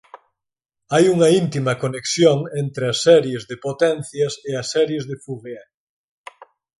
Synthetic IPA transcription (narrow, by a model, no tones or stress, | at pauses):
ajuŋɐint̪imɐkoneksjoŋent̪ɾeɐsːɛɾjezðepot̪ɛn̟θjɐseɐsːɛɾjezðefuɣja